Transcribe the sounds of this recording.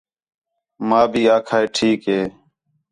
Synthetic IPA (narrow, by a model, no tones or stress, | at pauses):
maːbʱiːaːkʰaːeːʈʰiːkɦeː